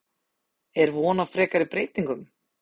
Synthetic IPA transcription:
ɛɾvɔːnafɾɛːkaɾɪpɾeːjt̪iŋkʏm

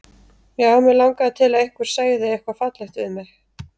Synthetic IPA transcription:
jɛɣhawmɛlawŋkat̪ʰɪlaðehkvʏɾ̥saːjɪðɪɛhkvafat̪lɛht̪vɪðmjɛx

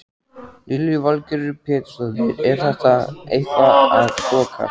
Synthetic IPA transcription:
lʔɪlivalcɛɾʏpʰɛːt̪sɔðɪɾɛɾ̥θɛht̪aḛjht̪aaðkɔːkʰa̰

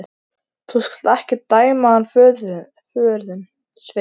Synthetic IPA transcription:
θuskḁlt̪ɛhcɪt̪aːjmaanfœðʏ | fœːɾðʏn | sve

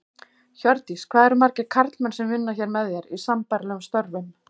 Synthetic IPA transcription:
çœɾt̪iskʰvaːðɛɾmaɾcɪkʰaɾt̪lmɛnsɛmvɪnːaçɛɾmɛðjɛɾisampaɾlɛːɣʏmst̪œɾvɪn

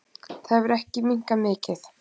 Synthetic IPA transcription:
θaðvɪɾɛhcɪmiŋ̥kamɪːcɪθ

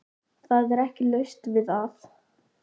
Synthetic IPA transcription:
θaðɛɾɛhcɪlœɥst̪vɪðaθ

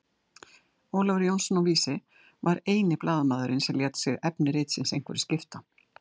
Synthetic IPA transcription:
oːwlavɾjownsɔnɔviːsɪ | vaɾeːjnɪplʔaːðamaːðʏɾɪnsɛljɛːt̪sɪɣɛpnɪɾejt̪sɪnsejŋ̥kvɛɾɪscɪft̪a

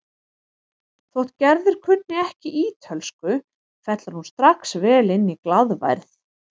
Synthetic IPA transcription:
θɔwht̪̚cɛɾðɪɾ̥kʰʏnnɪɛhcɪʔiːt̪ʰœlskʏ | fɛt̪laɾhunst̪ɾaksvɛːlɪnːiklaðva̰jɾθ

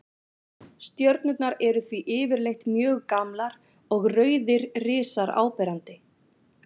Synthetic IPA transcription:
st̪jœɾt̪nʏt̪naɾɛɾʏθviʔɪːvɪɾlejht̪mjœːɣkamlaɾ | ɔɣrœːɥðɪɾrɪːsaɾa̰ːwpɛːɾant̪ɪ

